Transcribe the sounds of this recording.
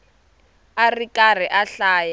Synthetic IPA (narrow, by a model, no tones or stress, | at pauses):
arikar̤iʔaɬaːja